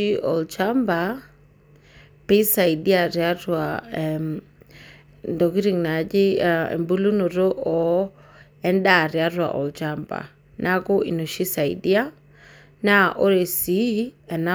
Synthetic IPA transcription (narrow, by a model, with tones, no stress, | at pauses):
i˦ɔ̰˨lt͡ʃamba | pe˦sa˨idi˦a˨ɾja˦ɾwa | ndɔ˨ki˦ɾi˨ŋna˨d͡ʒɪ˦ɛ̰˨mbu˦lu˦nɔ˨ɾɔ˦ʔɔ | ɛ˦nɗa˨ɾja˦ɾwa̰ʔɔ̰˨lt͡ʃamba̰˨ | nʔakɔ˦ḭ˨nɔ˨ʃi˦sa˨idi˦a˦ | naʔɔ˦ɾe˨siɛ˨na